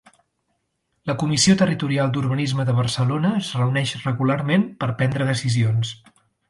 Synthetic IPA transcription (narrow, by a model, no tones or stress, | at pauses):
ləkumisiot̪ərit̪uɾialˠd̪uɾβənizməðəβ̞ərsəlonəːzrəunɛʃrəɣularmenpəɾpɛnd̪ɾəðəsizions